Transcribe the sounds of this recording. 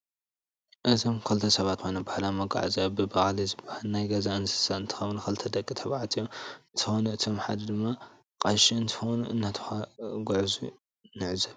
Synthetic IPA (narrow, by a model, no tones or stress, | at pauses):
ʔɨzomkʰɐlt̪ʰɐsɐβat̪xʰojnɐbahlamɐɡa̰ʕzɐbɨbaxlizɨbahalnajɡɐzaɨnsɨ̥saɨnt̪ʰɨ̥xɐβnukʰɐlt̪ʰɐd̪ɐkʼːit̪ʰɐβaʕat̪ʰijoɨnt̪ʰɨxonɐɨt̪ʰomħa̰d̪ɐd̪ɨmːa | kʼɐʃiɨnt̪ʰɨ̥xonuʔɨ̰nːat̪ʰɨ̥xaɡoʕzṵ | nɨʕzɐβ